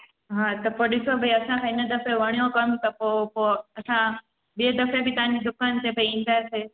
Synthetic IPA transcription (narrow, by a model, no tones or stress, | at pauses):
ɦãt̪ɐpoːɗɪsobʱɐiɐsãkʰãɪnəd̪ɐfeʋəɳjõkɐmt̪ɐpoːpoɐsã | bied̪ɐfebit̪ɐãɲd͡ʑid̪ʊkant̪ebʰʱəĩːn̆d̪aese